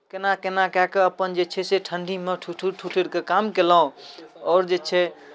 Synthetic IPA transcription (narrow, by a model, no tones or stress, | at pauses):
kenakenakɛkeəpənd͡ʒet͡ʃʰɛseʈʰəɳɖʱimeʈʰuʈʰuʈʰuʈʰeɽkekamkelaɦõɔːɾd͡ʒet͡ʃʰɛ